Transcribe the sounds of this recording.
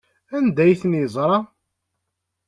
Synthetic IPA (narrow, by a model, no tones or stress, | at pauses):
ænd̪æjθnizˤɾˤɑ